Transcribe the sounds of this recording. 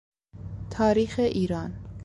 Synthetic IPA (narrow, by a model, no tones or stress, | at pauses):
t̪ʰɒːɾiːxeʔiːɾɒːn